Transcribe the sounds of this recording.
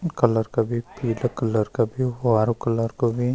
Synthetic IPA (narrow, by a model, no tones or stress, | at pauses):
kɐləɾkɐbʱipiːlɐkɐləɾkɐbiaːɾukɐləɾkobʱi